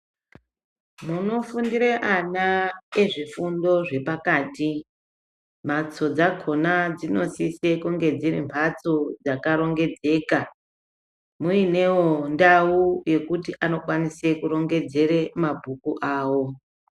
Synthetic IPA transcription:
muno̞fundiɾeʔanae̞ʐifundo̞ʐe̞pakaːti | m̤at͡so̞d͡zakʰo̞nad͡zino̞sise̞kuŋɡe̞d͡zirḭmpʰat͡so̞d͡zakaɾo̞ŋɡe̞d͡ze̞ːka | muine̞wo̞ndauje̞kutiʔano̞kwanisekuɾo̞ŋɡe̞d͡ze̞remabʱukuʔaːwo̞

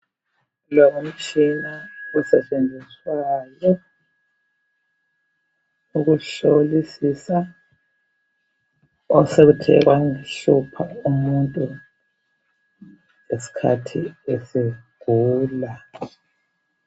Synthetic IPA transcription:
lɔɣum̩t͡ʃʼinaɔsɛt͡ʃʼend͡zʱiswajɔ | uɣuɬolisisa | ɔseɣutʰɛɣwaŋiɬupʰaumuntʼu | esi̥kʰa̰tʰiesiɡ̥ʱuːla

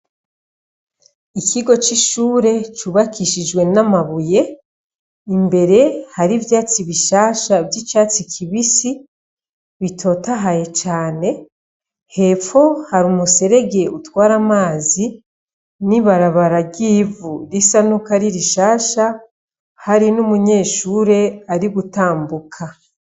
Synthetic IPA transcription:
ikʰiɡo̞t͡ʃiʃuːɾe̞t͡ʃuːβakiʃid͡ʒɡwe̞namaβuje̞ | imbe̞ɾe̞haɾivjaːt͡siβiʃaːʃavjit͡ʃaːt͡sikʰiβisi | βitʰo̞ːtaɦaje̞t͡ʃaːne̞ | he̞fo̞haɾumuse̞ɾe̞ɡe̞utwaːɾamaːzi | niβaɾaβaɾaɡiːvuɾisanukaɾiɾiʃaːʃa | haɾinumuɲe̞ːʃuːɾe̞aɾiɡutaːmbukʰa

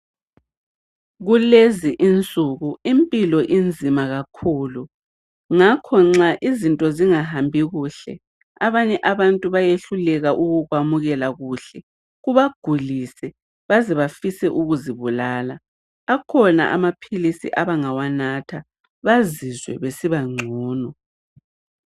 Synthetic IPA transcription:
ɣuleziʔint͡sʼuɣuimpʼilɔʔind͡zʱimaɣakʰuːlu | ŋakʰɔŋ͡ǁaʔizintʼɔziŋaɦambʱiɣuːɬɛ̰ | aβaɲɛʔaβantʼuβajeɬulɛɣaʔuɣuɣwamuɣɛlaɣuːɬɛ | ɣuβaɡ̥ʱulisɛ | βazɛβafisɛʔuɣuziβulaːlaː | kʰɔna̰ʔa̰mapʰilisḭʔaβaŋawanatʰa | βazizwɛ̰βesiβaŋ͡ǀʱɔːnɔ

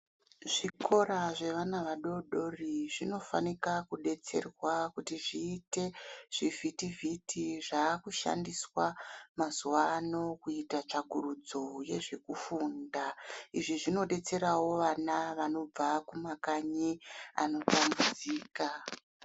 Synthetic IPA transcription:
ʐ̥ikʰo̞ɾaʐe̞ʋanaʋaɗo̞ɗo̞riʐino̞fa̰nikakuɗe̞t͡se̞̰rwakutiʐiːte̞ʐ̥ivʱitivitʰiʐaːkuʃa̰ndiswamazuwaːno̞kuitat͡ʂaɡʱurud͡zo̞je̞ʐekufuːndaiʐiʐino̞ɗe̞t͡se̞ɾawo̞ʋanaʋano̞b͡vakumakaɲia̰no̞tambud͡ziːka

